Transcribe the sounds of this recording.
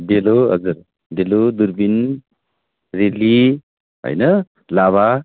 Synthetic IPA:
deloɦa̰zɯɾ | delod̪uɾbin | ɾeli | ɦa̰jnɯ | laβa

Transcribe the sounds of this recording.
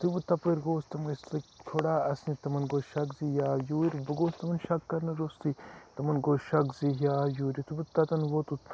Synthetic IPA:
t̪ibut̪ɐpɐɾɡoːst̪ɐmslɐkt̪ʰoɽaːɐsnit̪ɐmɐnɡoʃɐkzijaːjuːɾibɐɡoːst̪ɐmɐnʃɐkːɐɾnɐɾoːst̪it̪ɐmɐnɡoʃɐkzijaːjuːɾit̪ubut̪ɐt̪ɐnwot̪ut̪

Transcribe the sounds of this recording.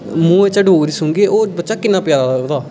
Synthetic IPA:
mũːeːt͡ʃaɖoːɾiːsʊ̃ŋɡeːoːbətːʃaːkɪnːaːpɪjaːlaːlad̪aː

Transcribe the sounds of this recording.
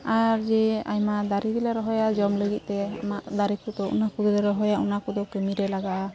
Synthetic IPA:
aɾd͡ʒɛa̰jmaʔd̪aɾid̪ilaɾɔɦɔjad͡ʒɔmləɡit̪̚t̪ɛa̰maʔd̪aɾikut̪ɔṵnakud̪ɔlɔɾɔɦɔjaunakud̪ɔkɛmiɾɛlaɡaʔa

